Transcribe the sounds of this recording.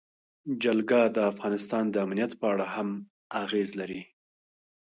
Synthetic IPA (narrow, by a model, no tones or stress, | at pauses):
d͡ʒalɡad̪əafɣɑnɪst̪ɑnd̪əamnijat̪pəaɽaham | aɣezlaɾi